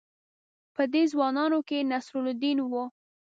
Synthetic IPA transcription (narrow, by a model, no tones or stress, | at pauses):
pəd̪ezwɑnɑnokenasɾʊld̪inwu